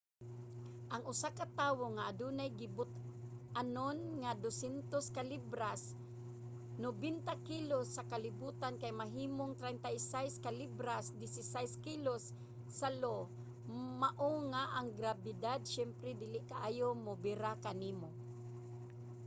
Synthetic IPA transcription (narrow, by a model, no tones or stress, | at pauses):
ʔɐŋʊsakat̪aːwoŋaʔad̪uːnajɡɪbʊt̪ | ʔanonŋad̪osɛnt̪oskalibɾas | nobint̪akilosːakalɪbuːt̪ankajmaɦiːmoŋt̪ɾɛnt̪ajsajskalibɾasd̪ɪsɪsajskilosː | alo | maʔoŋaʔaŋɡɾabɪd̪ad̪̚ʃɛmpɾɛd̪ɪlɪʔkaʔaːjomʊbɪɾakaniːmo